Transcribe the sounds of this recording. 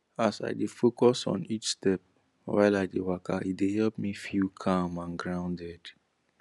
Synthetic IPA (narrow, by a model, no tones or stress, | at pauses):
asa̰ɪdefokɔsɔ̰̃nit͡ʃstɛp̚ | wa̰ɪlaɪdewakʰaidehɛlp̚mifjukʰãmãnɡɹãʊ̃ndɛd̥